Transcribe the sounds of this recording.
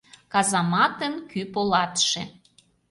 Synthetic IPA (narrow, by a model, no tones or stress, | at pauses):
kɑzɑmɑt̪ənkypolɑt̪ʃḛ̆